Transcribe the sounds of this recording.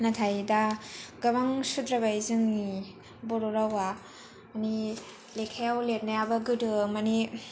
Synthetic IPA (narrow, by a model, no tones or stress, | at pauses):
natʰajdaɡabaŋsudɾabajzɯŋni | bɔɾoɾawa | ani | lekʰajawlet̚najabɐɡɯdɯmani